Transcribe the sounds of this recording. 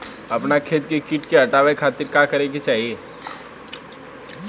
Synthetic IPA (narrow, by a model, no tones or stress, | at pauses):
ɐpnakʰeːt̪̚kekɪʈkeɐʈaːʋekʰaːt̪ɪɾkakɐɾẽɡet͡ʃaːɦie